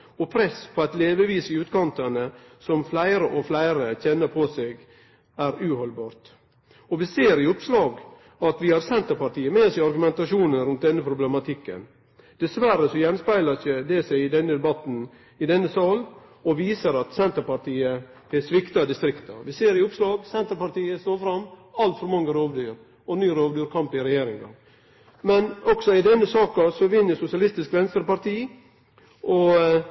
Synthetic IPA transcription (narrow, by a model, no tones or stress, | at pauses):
ɔpʰɾɛspʰɔæɪt̪leːʋəʋiːsɪʉːt̪kʰɑnt̪əɳəsɔmflæɪɾəʔɔflæɪɾəçɛnːəɾpʰɔseːɡ | æɾʉːhɔlbɑːɾt̪ | ɔʋɪseːɾɪʊpslɑːɡ | ɑt̪ʋɪhɑɾsɛnt̪əɾpɑʈiːəmeːsæɪɑɾɡʉmɛnt̪ɑʂuːnənɾʉnt̪̚d̪ɛnːəpʰɾʊblɛmɑt̪ʰɪkːə̰n | d̪̥ɛsʋæɾəsɔjɛnspæɪləçəd̪ɛsæɪɪd̪ɛnːəd̪ɛbɑt̪n̩ | ɪd̪ɛnːəsɑl | ɔʋiːsəɾɑt̪sɛnt̪əɾpɑɾʈ̪ʰiːə | ɛsʋɪkt̪ɑd̪ɪst̪ɾɪkt̪ɑ̰ʋɪseːɾɪʊpslɑːɡsɛnt̪əɾpɑɾʈ̪iːəst̪oːɾfɾɑmːɑlt̪fɔɾmɑŋːəɾoːʋd̪yːɾ | ɔnyːɾoːʋd̪yːɾkʰɑmpɪɾɛjeːɾɪŋɑ̰ | mɛnɔksɔɪd̪ɛnːəsɑːkɑsɔʋɪnːəsʊsɪɑlɪst̪ɪskʋɛnst̪əɾpɑɾt̪ʰiː | ʔɔ